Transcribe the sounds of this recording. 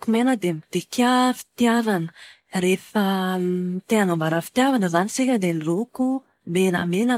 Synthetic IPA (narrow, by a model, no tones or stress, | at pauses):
kumenəd̪emit̪ekafi̥t̪iavanə̥ | refəmit̪eanombaɾafi̥t̪iavanəzanisekʲəd̪eniroku | mena̰menə